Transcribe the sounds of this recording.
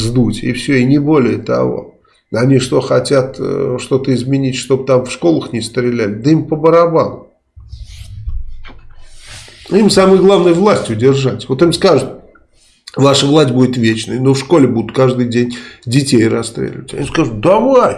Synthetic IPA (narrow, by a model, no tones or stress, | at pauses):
zd̪utʲɪ̰fsʲoɪnʲɪbo̞lʲɪjət̪ɐ̰vo̰ | ɐnʲiʂt̪o̞xɐtʲat̪ʂt̪o̞t̪əɪzmʲɪnʲitʲʂt̪o̞bt̪amfʂko̞lˠəxnʲɪst̪ɾʲɪlʲælʲɪd̪əimpəbəɾɐbalˠʊ | imsamɨjɡlˠavnɨjəvlˠasʲtʲɪʊdʲɪrʐatʲvo̞t̪imskaʐʊt̪̚ | vaʂəvlˠasʲt̚ʲbudʲɪt̪vʲet͡ɕnəjənofʂko̞lʲɪbud̪ʊt̪̚kaʐd̪ɨjdʲenʲdʲɪtʲejrɐst̪ɾʲḛlʲɪ̰vətʲɐ̰nʲiskaʐʊt̪̚d̪ɐvaj